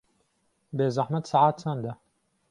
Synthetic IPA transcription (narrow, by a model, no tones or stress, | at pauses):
beːzaħmɐt̪saːʕaːt̪̚t͡ʃʰand̪ɐ